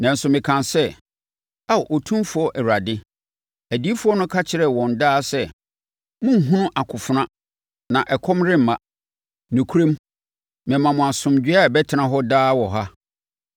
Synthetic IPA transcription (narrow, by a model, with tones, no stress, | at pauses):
nã˨n̩˨sʊ˨mɪ̃˨kʰã˨nsɛ˦ | a˦˨ʔo˨tʰũ˦fʊ˨˦ɔ˦ʔɛ˨a˨dɪ˦ | æ˨di˨˦fʊ˦ɔ˦nʊ̃˦kʰa˦t͡ɕʰɪ˨ɾɛ˨wɔ̃˨n˨daː˦sɛ˨ | mʊ̃˦ŋ̩˨ɦũ˦nʊ̃˦ʔa˨kʰʊ˨fʊ˨nã˦ | nã˨ʔɛ˨kʰɔ̃˦mɾɪ̃˦m̩˨mã˨ | nʊ̃˨kʰu˦ɾẽ˦m | mɛ̃˨mã˨mʊ̃˨a˨sʊ̃˨md͡ʑᶣɪ˦a˦˨bɛ˦tʰɪ˨nã˨˦ɦɔ˦daː˦wɔ˨ɦa˦